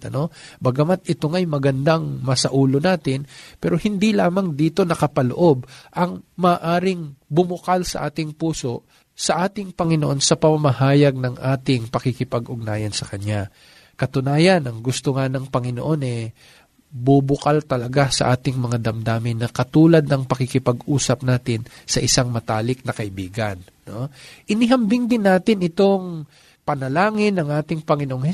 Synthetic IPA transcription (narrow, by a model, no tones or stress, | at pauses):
ɐno̞bɐɡɐmat̪̚ɪt̪o̞ŋɐjmɐɡɐnd̪aŋmɐsɐʔuːlo̞naːt̪ɪnpɛːɾo̞hɪnd̪ilaːmɐŋd̪iːt̪o̞nɐkɐpɐlo̰ʔo̞bʔɐŋmɐːʔaːɾɪŋbʊmʊkalsɐ̰ʔaːt̪ɪŋpuːso̞ʔ | sɐʔaːt̪ɪŋpɐŋɪnoʔo̞nsɐpɐmɐmɐhaːjɐɡ̚nɐŋʔaːt̪ɪŋpɐkɪkɪpɐɡʔʊɡ̚naːjɐnsɐkɐɲa | kɐt̪ʊnaːjɐnʔɐŋɡʊst̪oŋanɐŋpɐŋɪno̰ʔo̞nɛ | bubʊkalt̪ɐlɐɡasɐ̰ʔaːt̪ɪŋmɐŋad̪ɐmd̪aːmɪnːɐkɐt̪uːlɐd̪̚nɐŋpɐkɪkɪpɐɡʔuːsɐp̚naːt̪ɪnsɐʔɪsaŋmɐt̪aːlɪk̚nɐkɐʔɪbiːɡɐnːoʔɪnɪɦɐmbɪŋd̪ɪnːaːt̪ɪnɪt̪o̞ŋ | pɐnɐlaːŋɪnːɐŋʔaːt̪ɪŋpɐŋɪnoʔoŋɛ